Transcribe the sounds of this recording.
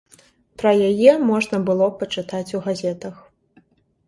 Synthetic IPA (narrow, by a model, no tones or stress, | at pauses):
pɾɐjajɛmɔʐnɐbɨlˠɔpɐt͡ʂɨt̪at͡sʲuɣazʲɛt̪ɐx